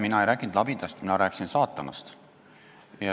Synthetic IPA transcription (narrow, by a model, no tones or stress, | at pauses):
minɑejɾæːkːˑind̪lɑbid̪̥ɑst̪minɑɾæːkːsinsɑːt̪ˑːɑnɑ̰st̪ | jɑ